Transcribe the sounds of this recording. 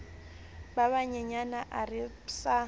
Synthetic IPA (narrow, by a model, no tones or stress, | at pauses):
baβaɲɛɲanaʔarɪ | sa